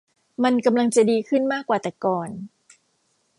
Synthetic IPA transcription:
ma˧nka˧mla˧ŋt͡ɕa˨˩diː˧kʰɯ˥˩nmaː˥˩kːwaː˨˩t̪ɛː˨˩kɔː˨˩n

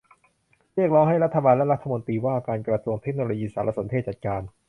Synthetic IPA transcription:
ɾi˥˩ək̚ɾɔː˦˥ŋɦa˥˩jɾa˦˥t̪ʰːa˧baː˧nlɛ˦˥ɾa˦˥t̪ʰːa˧mo˧nt̪iː˧waː˥˩kaː˧nkɾa˧su˧əŋt̪ʰe˦˥k̚noː˧loː˧jiː˧saː˩˦ɾʔa˧so˩˦nt̪ʰe˥˩t̚t͡ɕa˨˩t̪̚kaː˧n

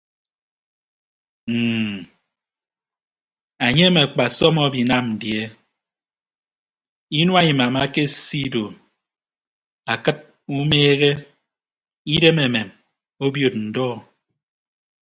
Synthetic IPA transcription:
m̩ː˨ | a˨ɲe˦me˨k͡pa˨sɔ˦mɔ˦bi˨na˦mn̩˨dje˦ | i˦nwa˦˨ɲɨ˨ma˨ma˦ke˦si˦do˨m | a˨kɨ˦t̚ | u˦meː˦ɣe˦ | i˦de˦me˨me˨m | o˦bjo˨t̚n̩˨dɔː˦˨

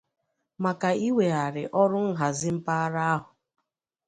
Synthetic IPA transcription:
ma˨ka˨i˦we˨a˨ɾɪ˨ʔɔ˦ɾʊ˦ŋ̩˦ɦa˨zɪ˦m̩˦pa˦a˦ɾa˦a˦ɦʊ˨

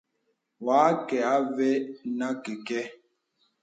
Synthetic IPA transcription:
waː˨˦kɛ˨a˦ve˦na˦ke˨kɛ˦

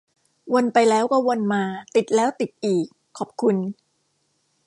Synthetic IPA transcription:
wo˧npa˧jlɛː˦˥wkɔ˥˩wo˧nmaː˧t̪i˨˩t̪̚lɛː˦˥wt̪i˨˩t̪̚ʔiː˨˩kʰːɔː˨˩p̚kʰu˧n

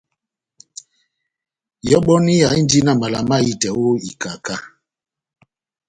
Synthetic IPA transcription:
jɔ˦ɓɔ˦ni˦ja˨i˦n˦di˦na˦˨ma˨la˨ma˦i˦˨tɛ˨wo˦i˨ka˨ka˦

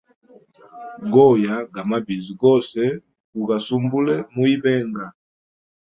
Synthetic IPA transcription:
ɡɔ˦˨ja˨ɡa˨ma˦bi˨zi˨ɡɔ˦˨sɛ˦ | u˨ɡa˨su˦mbu˦lɛ˦mu˦i˦bɛ˦ŋɡa˨

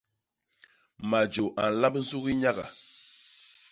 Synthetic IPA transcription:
ma˨d͡ʒo˨ʔa˨n̩˨la˦bn̩˦zu˦ɣi˦ɲa˦ɣa̰˨

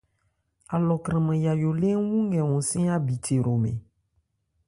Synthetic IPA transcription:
a˨lɔ˨kɾɛ̃˨mɛ̃˨ja˨jo˨le˦wũ˦ŋ˦ɡɛ˨wɔ̃˨sĩ˦a˦bi˨tʰe˨ɾo˨mḛ̃˨

